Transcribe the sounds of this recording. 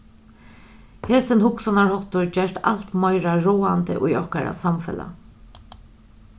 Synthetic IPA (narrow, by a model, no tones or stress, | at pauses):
heːsɪnhʊksɔnaɹhɔht̪ʊɹd͡ʒɛɹt̪a̰l̥t̪mɔjɾaɹoːant̪əʔʊjɔhkaɾa̰samfɛ̰la̰